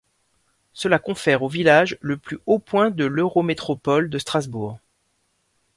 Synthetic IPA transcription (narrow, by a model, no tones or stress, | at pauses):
səlakɔ̃fɛʁovilaʒləplyopwɛ̃d̪əløʁomet̪χɔpɔld̪əst̪χazbuːʁ